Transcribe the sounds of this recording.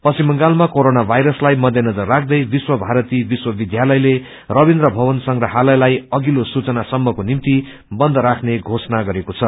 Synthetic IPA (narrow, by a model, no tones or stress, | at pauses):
pʌsimʌŋɡalmakoɾonabʱajɾʌslajmʌd̪ʱjʌnʌd͡zʌrːakʰd̪ʌjbiswʌbʱaɾʌt̪ibiswʌbid̪jalʌjle | rʌbind̪ɾʌbʱʌbʌnsʌŋɡrʌɦalʌjlajʌɡilosut͡sʌnasʌmːʌkonimt̪i | bʌnd̪ʱʌɾakʰneɡʱosnaɡʌɾekot͡sʰʌ